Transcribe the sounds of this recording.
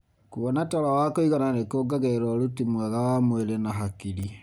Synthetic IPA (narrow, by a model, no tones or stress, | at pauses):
kuβɔnataɾawakoiɣananekoɡaɣɛɾɔɾutimwɛɣawamweɾɛnaɦakiɾi